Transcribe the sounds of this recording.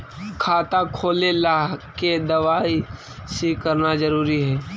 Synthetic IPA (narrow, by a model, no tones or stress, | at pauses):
kʰaːt̪akʰoːlelaːɦked̪ɐʋaːi | sekɐɾnazɐɾuːɾiɦɛː